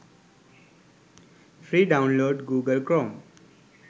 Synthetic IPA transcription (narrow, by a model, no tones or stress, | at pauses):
fɾiːɖaʊ̃nloːɖɡuːɡəlkɾɔm